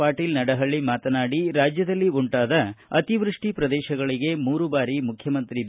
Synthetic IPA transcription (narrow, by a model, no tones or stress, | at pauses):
aːʈiːlnɐɽɐɦɐɭːimaːt̪ɐnaːɽiɾaːd͡ʒjɐd̪ɐlːiuɳʈaːd̪ɐɐt̪iʋɾuʂʈipɾɐd̪ɛːʃɐɡɐɭiɡe̞muːɾubaːɾimukʰjɐmɐnt̪ɾi